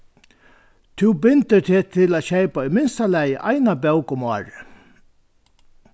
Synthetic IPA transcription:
t̪ʰuwbɪnt̪ɪt̪ʰɪːt̪ʰɪlaːɕejpaɔmɪnst̪alæjʔa̰jnabœwkʊmɔːɹ

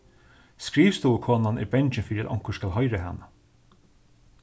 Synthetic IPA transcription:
skɾiːfst̪ukʰoːnanʔɪ̰bɛɲt͡ʃɪnfɪːɾɪa̰t̪ɔ̰ŋ̥kə̥skalɦɔjɾaɦa̰nːa

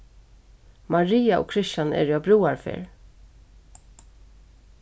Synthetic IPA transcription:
mɑɹiːaʔo̰ːkʰɾɪʃɑnɛ̰ːɾjɑːbɾuːaɹfḛːɹ

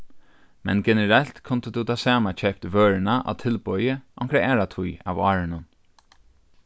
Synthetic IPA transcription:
mɛ̰nɡɛnɛɾɛl̥t̪kʰʊnt̪əd̪ut̪ʰaːsaːmat͡ʃʰɛp̚t̪vøːɹɪnaʔa̰t̪ʰɪlpɔjəʔɔŋkɾaɛːɾat̪ʰuja̰vɑːɾɪnʊn

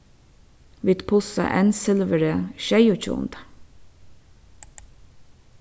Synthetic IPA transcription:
ʋiːd̪̥pʰʊsa̰ʔɛ̰nsɪlʋəɾəʃɛjʊt͡ʃṵːnt̪

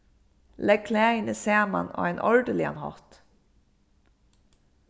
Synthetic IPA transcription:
lɛɡ̚kʰlæːɪnəseːmɑ̰no̰ːæɪnʔɔɹɖəlɪɑ̰nhɑ̰t̪

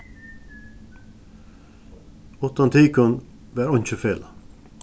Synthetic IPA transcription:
ɔt̪ɑnt̪ʰiːkɔn | ʋæːɾɔɲt͡ʃəfeːl

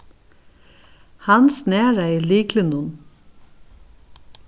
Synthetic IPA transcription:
hɑnsneːɹæɪliːklɪnʊn

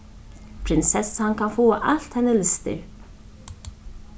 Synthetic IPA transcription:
pʰɾɪnsɛshankʰanfoːaʔal̥t̪hɛnːɪlɪst̪ɪ̰

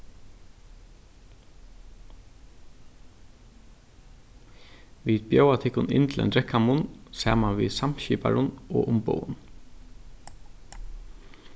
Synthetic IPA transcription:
ʋiːd̪bjowat̪ʰɪkʊnɪ̰nt̪lɛ̰nd̪ɾɛkːamʊnsæ̰ːmaʋḭsamɕiːpa̰ɹʊnɔ̰ːʔʊmbo̰wʊn

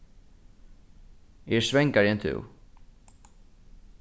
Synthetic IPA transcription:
ɛɹsvɛŋkaɾjɛnt̪ʰʏ̰w

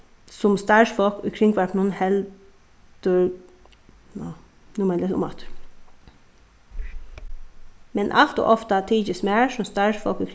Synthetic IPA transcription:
sʊmst̪ɑɪʃfɔkʉ̰kʰɾɪŋɡʋæʈnuːnhɛl | d̪̥ʉɾ | n | nʊmɛləʊ̰mɑ̰t̪ | mɛnʔɑ̰lt̪o̰ʔɔft̪ət̪ʰiːd͡ʒəsmeːɹsʊmst̪ɑʂfɔkʉkʰɾ

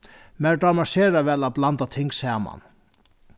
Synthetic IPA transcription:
mɛɖamaseːɾaʋɛːlablant̪at̪ʰɪŋksæːma̰n

